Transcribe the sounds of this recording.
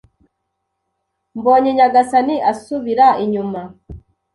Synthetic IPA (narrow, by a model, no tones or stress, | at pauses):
mboːɲeɲaɡasaniʔasuβiɾaiɲuma